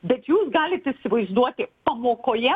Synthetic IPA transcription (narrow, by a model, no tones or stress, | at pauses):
bʲɛt̪juːsɡɑːlʲɪt̪ɪsʲɪʋɐɪzd̪uɔt̪ʲɪpɐmoːkoːjɛ